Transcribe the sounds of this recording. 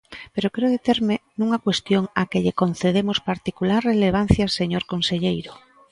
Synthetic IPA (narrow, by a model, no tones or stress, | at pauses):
peɾokeoðet̪eɾmenũŋakwest̪joŋakeʎekon̟θeðemospaɾt̪ikulaɾreleβ̞an̟θjaseɲoɾkonseʎejɾo